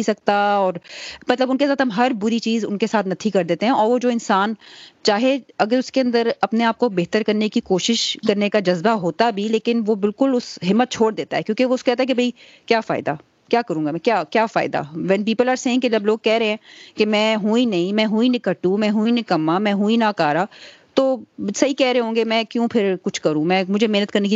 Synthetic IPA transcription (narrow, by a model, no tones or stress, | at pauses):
isɐk̚t̪aɔːɾmɐt̪ləbʊnkesaːt̪ɦɐmɦɐɾbʊɾit͡ʃiːzʊ̰nkesaːt̪nɐt̪ʰikɐɾd̪eːt̪eɦɛ̃ʔɔːɾʋod͡ʒoːɪ̃nsaːnt͡ʃaːɦeɐɡəɾʊskeɐ̃nd̪əɾɐpneaːp̚kobeːɦt̪əɾkɐɾnekikoːʃɪʃkɐɾnekad͡ʒɐzbaɦoːt̪abʱileːkɪnʋobɪlkʊlʊsɦɪmːət̪̚t͡ʃʰoːɽd̪eːt̪aɦɛːkjõːkeʋoʊskoɛːt̪aɦɛkebʱɐi | kjaːfa̰ːɪd̪a̰ | kjaːkɐɾũːɡamɛ̃kjaːkjaːfa̰ːɪd̪a̰ʋɛnpiːpəlaːɾsẽːkelɐbloːɡ̚kɛːɾɦeɛ̃ːkemɛ̃ːɦũĩnɐĩmɛ̃ːɦuĩnɪkəʈːũmɛ̃ːɦuĩnɪkɐmamɛ̃ːɦuĩnakaːɾaːt̪oːsɐɦikɛːɾeeɦõːŋɡemɛ̃ːkjũːpʰɪɾkʊt͡ʃʰkɐɾũmɛ̃ːmʊd͡ʒʱemeːnət̪̚kɐɾneki